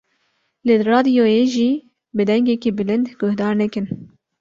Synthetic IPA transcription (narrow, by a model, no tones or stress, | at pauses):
leːrɑːd̪ijoːjeʒiː | bɨd̪ɛŋɡɛkiːbɨlɨnd̪ɡʊhd̪ɑːɾnɛkɨn